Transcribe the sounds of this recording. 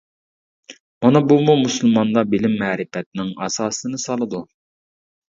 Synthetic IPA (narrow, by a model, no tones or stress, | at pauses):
mɑnɑbumumusɨlˠmɑnd̪ɑbɪlɪmːæːɾɪfɛt̪̚nɪŋɑ̰sɑːsɨnɨsɑlˠɨd̪u